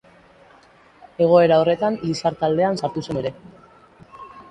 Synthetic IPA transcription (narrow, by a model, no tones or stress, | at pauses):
e̞ɣ̞o̞e̞ɾao̞re̞t̪anlisaɾt̪ald̪e̞ansaɾt̪usumeɾe̞